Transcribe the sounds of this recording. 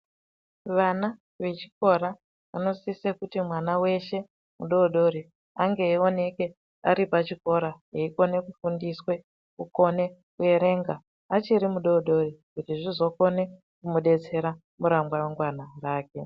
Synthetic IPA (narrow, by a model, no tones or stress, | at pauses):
ʋana | ʋe̞t͡ʃi̥ko̞ɾa | ano̞sisekutimwanawe̞ʃe̞ | muɗo̞ɗo̞ɾe | aŋɡe̞ːo̞ne̞ke̞ | aɾipat͡ʃiko̞ɾaɦeiko̞ne̞kufundiswe̞ | kuko̞ne̞kue̞ɾe̞ŋɡa | at͡ʃiɾimuɗo̞ɗo̞rikutiʐizo̞ko̞ne̞ | kumuɗe̞t͡se̞ɾa | muɾamɡwaweŋɡwanaraːke̞